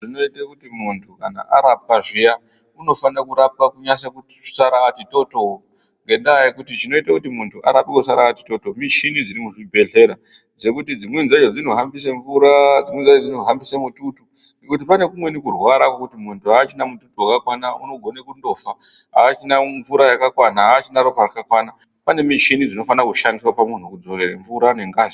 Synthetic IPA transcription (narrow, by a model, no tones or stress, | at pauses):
ʐino̞itakutimuntʰukana̰ʔaɾap̚kaʐija | uno̞fanakuɾap̚kakuɲasakutsaɾaatito̞to | ŋɡe̞ndajekutit͡ʃino̞itakutimuntʰuʔaɾapikus̬aɾaati̥to̞to̞mit͡ʃinid͡ziɾimuʐibʱe̞ɮe̞ɾa | d͡ze̞kutid͡zimwenzad͡ʒod͡zinoɦambis̬eɱvuɾad͡zimwenzaod͡zinoɦambisemututu | nekut̬ipane̞kumwe̞nikurwaɾakwokutimuntʰuaːt͡ʃinamututuwakakwanauno̞ɡʱo̞nekundo̞faɦa̰ːt͡ʃinaɱvuɾajakakwanaaːt͡ʃinaɾoparakakwana | pane̞mit͡ʃinid͡zino̞fanakuʃandiswapamun̤ukud͡zo̞ɾe̞ɾeɱvuɾane̞ŋɡaːʒe